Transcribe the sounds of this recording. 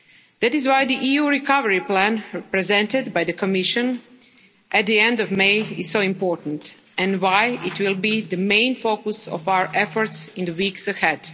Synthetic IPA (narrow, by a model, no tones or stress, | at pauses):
d̪ætɪzwajd̪iʔijuɹikʰʌvəɹiplæ̃npɹɛzɛ̃ntɪdbajðəkʰɔmɪʃə̃n | ʔæt̪̚d̪iɛ̃ndɔvmeɪɪz̥soʊɪ̃mpɔɹtn̩t | ɛ̃ndwajɪtwɪlˠbidəmẽɪ̃nfokusɔ̰faʊə˞ʔɛfɔɹtsɪ̃nd̪əwiksəhɛd̥